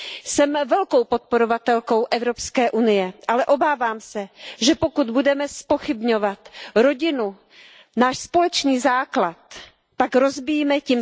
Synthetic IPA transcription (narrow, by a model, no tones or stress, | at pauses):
sɛmvɛlkowpot̪̚poɾovat̪ɛlko̞wʔɛvɾo̞pskɛːʔunɪjɛʔalɛʔo̞baːvaːmsɛʒɛpo̞kud̪budɛmɛspo̞xɪbɲovat̪ɾo̞ɟɪnu | naːʃspo̞lɛt͡ʃniːzaːklat̪̚ː | akɾo̞zbɪjmɛcim